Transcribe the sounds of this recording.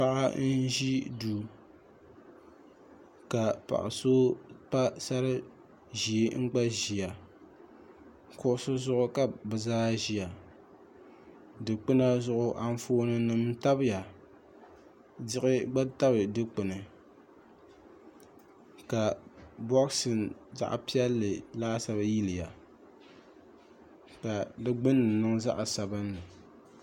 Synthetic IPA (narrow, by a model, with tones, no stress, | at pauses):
pa˦ʔa˦n̩˦ʒi˦duː˨ | ka˨pa̰˨ʔa̰˨so˦pa˦sa˦ɾɨ˦ | ʒi˨˦ŋ͡m̩˦ɡ͡ba˦ʒi˨ja˨ | kʊ˦ʔʊ˦sʊ˦zʊ˦ʔʊ˦ka˨bɨ˨zaː˦ʒi˨ja˨ | dɨ˨k͡pɨ˦na˦zʊ˦ʔʊ˦ʔa˦n˦foː˦nɨ˦nɨ˦mta˦bɨ˦ja˨ | dɪ˦ʔɪ˦ɡ͡ba˦ta˦bɨ˨dɨ˦k͡pɨ˨nɨ˨ | ka˨bɔ˦ksɨ˨nza̰˦ʔa̰˨pi˦ɛ˦lːɨ˨laː˦sa˦ba˦ji˦lɪ˨ja˨ | ka˨dɨ˦ɡ͡bɨ˦nːɨ˨nɨ˦ŋza̰˦ʔa˨sa˨bɨ˦nlɨ˨